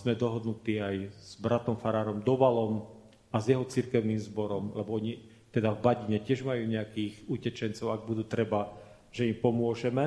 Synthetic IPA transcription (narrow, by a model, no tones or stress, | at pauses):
zmɛd̪ɔɦɔd̪nut̪iːajz̥bɾat̪ɔmfaɾaːɾɔmd̪ɔʋalɔm | azjɛɦɔt͡siɾkɛʊniːmzbɔɾɔmlɛbɔɔɲi | t̪ɛd̪avbaɟiɲɛcɪɛʒmajuːɲɛakiːɣucɛt͡ʃɛnt͡sɔʊaɡ̚bud̪uːt̪ɾɛba | ʒ̥ɛimpɔmʊɔʒɛmɛ